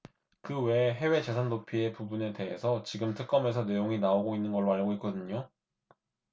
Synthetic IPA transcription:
kɯwe̞ɦe̞we̞t͡ɕe̞sʰannopʰie̞pubune̞te̞ɦe̞sʰʌt͡ɕiɡɯmtʰɯk̚k͈ʌme̞s̬ʰʌne̞joŋinaoɡoinːɯnɡʌɭːoaʎɡoitk͈ʌdɯɲo

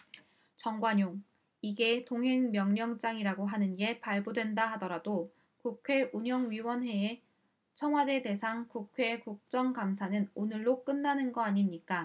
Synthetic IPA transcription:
t͡ɕʌŋɡwaɲoŋ | iɡe̞toŋɦe̞ŋmjʌŋɲʌŋt͡ɕ͈aŋiɾaɡoɦanɯnɡe̞paɭbodwe̞ndaɦadʌɾado | kukʰwe̞uɲʌŋɥiwʌnɦe̞ː | t͡ɕʰʌŋɦwade̞de̞sʰaŋkukʰwe̞kuk̚t͡ɕ͈ʌŋkamsʰanɯnonɯɭːok͈ɯnːanɯnɡʌaɲimɲik͈a

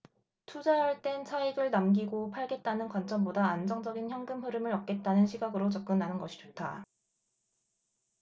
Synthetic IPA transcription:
tʰud͡ʑajʌɭt͈e̞nsʰaiɡɯɭnamɡiɡopʰaɭɡe̞t̚t͈anɯnkwant͡ɕ͈ʌmbodaand͡ʑʌŋd͡ʑʌɡinçjʌŋɡɯmɸɯɾɯmɯɾʌp̚k͈e̞t̚t͈anɯnɕʰiɡaɡɯɾot͡ɕʌp̚k͈ɯnːanɯnɡʌɕʰi̥d͡ʑot̚tʰa̰

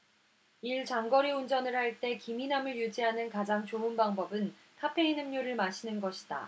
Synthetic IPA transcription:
iɭt͡ɕaŋɡʌɾiund͡ʑʌnɯɭhaɭt͈e̞kiminamɯɭjud͡ʑiɦanɯnkad͡ʑaŋt͡ɕounbaŋbʌbɯn | tʰapʰe̞inɯmɲoɾɯɭmaɕʰinɯnɡʌɕʰi̥d̥a̰

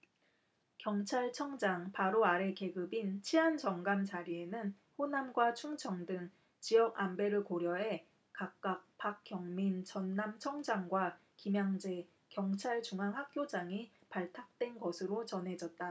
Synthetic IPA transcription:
kjʌŋt͡ɕʰaɭt͡ɕʰʌŋd͡ʑaŋpaɾoaɾe̞ke̞ɡɯbint͡ɕʰiɦant͡ɕʌŋɡamt͡ɕaɾie̞nɯn | ɸonamɡwat͡ɕʰuŋt͡ɕʰʌŋdɯŋ | t͡ɕijʌɡambe̞ɾɯkoɾjʌɦe̞ | kak̚k͈ak̚pak̚k͈jʌŋmint͡ɕʌnːamt͡ɕʰʌŋd͡ʑaŋɡwa | kimjaŋd͡ʑe̞ | kjʌŋt͡ɕʰaɭt͡ɕuŋɦaŋɦak̚k͈jod͡ʑaŋi | paɭtʰak̚t͈we̞nɡʌsʰɯɾot͡ɕʌnɦe̞d͡ʑʌt̚t͈a

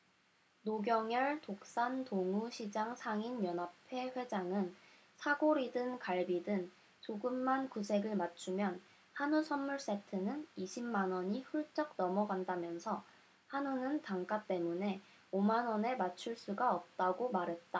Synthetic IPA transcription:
noɡjʌŋjʌɭtok̚s͈antoŋuɕʰid͡ʑaŋsʰaŋinjʌnapʰe̞ɸwe̞d͡ʑaŋɯn | sʰaɡoɾidɯnkaɭbidɯn | t͡ɕoɡɯmːankusʰe̞ɡɯɭmat͡ɕʰumjʌn | hanusʰʌnːuɭs͈e̞tʰɯnɯniɕʰimːanwʌɲiɸuɭt͡ɕ͈ʌk̚nʌmʌɡandamjʌnsʰʌ | hanunɯntaŋk͈at͈e̞mune̞ | omanʌne̞mat͡ɕʰuɭs͈uɡaʌp̚t͈aɡomaɾɦe̞t̚t͈a

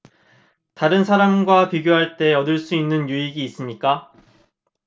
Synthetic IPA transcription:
taɾɯnsʰaɾamɡwapiɡjoɦaɭt͈e̞ʌdɯɭs͈uinːɯnjuiɡiːs͈ɯmɲik͈a

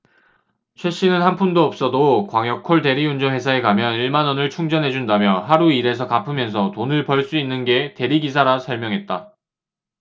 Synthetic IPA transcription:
t͡ɕʰwe̞ɕ͈inɯnɦanpʰundoʌp̚s͈ʌdokwaŋjʌk̚kʰoɭte̞ɾiund͡ʑʌnwe̞sʰaekamjʌniɭmanʌnɯɭt͡ɕʰuŋd͡ʑʌnɦe̞d͡ʑundamjʌɦaɾuiɾe̞s̬ʰʌkapʰɯmjʌns̬ʰʌtonɯɭpʌɭs͈uinːɯnɡe̞te̞ɾiɡisʰaɾasʰʌɭmjʌŋɦe̞t̚t͈a

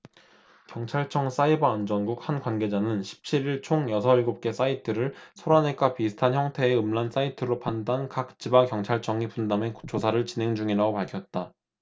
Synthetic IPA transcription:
kjʌŋt͡ɕʰaɭt͡ɕʰʌŋs͈aibaːnd͡ʑʌnɡuk̚hanɡwanɡe̞d͡ʑanɯnɕʰi̥p̚t͡ɕʰiɾiɭt͡ɕʰoŋjʌsʰʌiɭɡop̚k͈e̞s͈aitʰɯɾɯɭsʰoɾane̞k͈apisʰɯ̥tʰançjʌŋtʰe̞ːɯmlans͈aitʰɯɾopʰandankak̚t͡ɕ͈ibakjʌŋt͡ɕʰaɭt͡ɕʰʌŋipundame̞ku̥t͡ɕ͈ʰosʰaɾɯɭt͡ɕine̞ŋd͡ʑuŋiɾaɡopaɭkʰjʌt̚t͈a

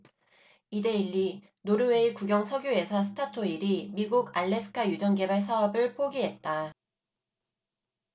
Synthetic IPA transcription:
ide̞iʎːi | noɾɯweikuɡjʌŋsʰʌɡjue̞sʰʌsʰɯ̥tʰatʰoiɾimiɡuɡaɭːe̞sʰɯ̥kʰajud͡ʑʌŋɡe̞baɭsʰaʌbɯɭpʰoɡiɦe̞t̚t͈a

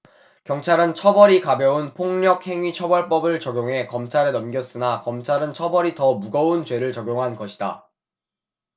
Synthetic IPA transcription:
kjʌŋt͡ɕʰaɾɯnt͡ɕʰʌbʌɾikabjʌunpʰoŋɲʌk̚he̞ŋɥit͡ɕʰʌbʌɭp͈ʌbɯɭt͡ɕʌɡjoŋɦe̞kʌmt͡ɕʰaɾenʌmɡjʌs͈ɯnakʌmt͡ɕʰaɾɯnt͡ɕʰʌbʌɾitʌmuɡʌunt͡ɕwe̞ɾɯɭt͡ɕʌɡjoŋɦanɡʌɕʰida̰

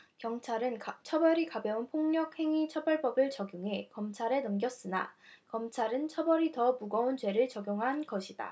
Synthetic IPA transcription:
kjʌŋt͡ɕʰaɾɯnt͡ɕʰʌbʌɾikabjʌunpʰoŋɲʌk̚he̞ŋit͡ɕʰʌbʌɭp͈ʌbɯɭt͡ɕʌɡjuŋɦe̞kʌmt͡ɕʰaɾe̞nʌmɡjʌs͈ɯna̰kʌmt͡ɕʰaɾɯnt͡ɕʰʌbʌɾitʌmuɡʌunt͡ɕwe̞ɾɯɭt͡ɕʌɡjoŋɦanɡʌɕʰida̰

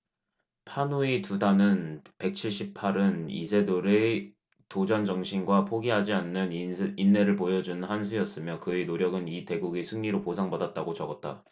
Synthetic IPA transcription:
pʰanuitudanɯnpe̞k̚t͡ɕʰiɭɕ͈ʰip̚pʰaɾɯnḭsʰe̞doɾe | tod͡ʑʌnd͡ʑʌŋɕʰinɡwapʰoɡiɦad͡ʑianːɯninːe̞ɾɯɭpojʌd͡ʑunɯnhansʰujʌs͈ɯmjʌkɯenoɾjʌɡɯnite̞ɡuɡesʰɯŋɲiɾoposʰaŋbadat̚t͈aɡot͡ɕʌɡʌt̚t͈a

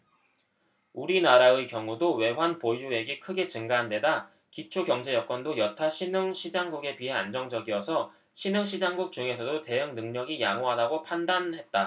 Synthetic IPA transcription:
uɾinaɾaɯkjʌŋudowe̞wanpoue̞ɡikʰɯɡe̞t͡ɕɯŋɡaɦande̞da | kit͡ɕʰokjʌŋd͡ʑe̞jʌk͈wʌndojʌtʰaɕʰinɯŋɕʰid͡ʑaŋɡuɡe̞piɦeand͡ʑʌŋd͡ʑʌɡiʌsʰʌ | ɕʰinɯŋɕʰid͡ʑaŋɡuk̚t͡ɕuŋe̞sʰʌdote̞ɯŋnɯŋɲʌɡijaŋoɦadaɡopʰandanhe̞t̚t͈a

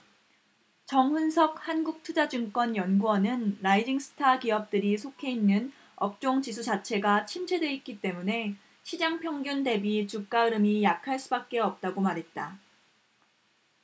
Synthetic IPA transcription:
t͡ɕʌŋɸunsʰʌk̚hanɡuk̚tʰud͡ʑad͡ʑɯŋk͈wʌnjʌnɡuʌnɯnɾaid͡ʑiŋsʰɯ̥tʰakiʌp̚t͈ɯɾisʰokʰe̞inːɯn | ʌp̚t͡ɕ͈oŋt͡ɕis̬ʰud͡ʑat͡ɕʰe̞ɡat͡ɕʰimt͡ɕʰedwe̞it̚k͈it͈e̞mune̞ | ɕʰid͡ʑaŋpʰjʌŋɡjunde̞bit͡ɕuk̚k͈aɯɾɯmijakʰaɭs͈ubak̚k͈e̞ʌp̚t͈aɡomaɾɦe̞t̚t͈a

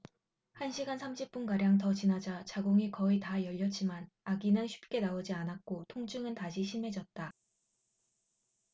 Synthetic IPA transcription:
hanɕʰiɡansʰamɕʰip̚p͈unkaɾjaŋt̬ʌt͡ɕinad͡ʑat͡ɕaɡoŋikʌitajʌʎːʌt͡ɕ͈iman | aɡinɯnɕʰi̥p̚k͈e̞naod͡ʑianak͈otʰoŋt͡ɕʰɯŋɯntaɕʰiɕʰimɦe̞d͡ʑʌt̚t͈a

